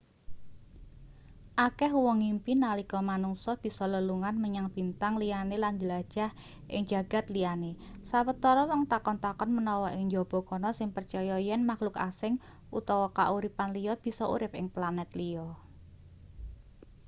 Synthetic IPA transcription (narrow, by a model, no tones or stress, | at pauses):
ʔakɛɦwɔŋimpinalikɔmanuŋsɔb̥i̤sɔləluŋanməɲaŋb̥i̤nt̪aŋlijanelandəlḁʒ̥a̤h | ʔɪ̰ŋd͡ʒ̥a̤ɡ̥a̤t̪lianesawət̪ɔɾɔwɔŋt̪akɔnt̪akɔnmənɔwɔʔɪŋɲd͡ʒɔb̥ɔ̤kɔnɔsɪŋpərt͡ʃɔjɔjɛnmaklʊka̰sɪŋ | ʔut̪ɔwɔkaʔuɾipanlijɔb̥i̤sɔṵɾɪpɪ̰ŋplanɛt̪lijɔ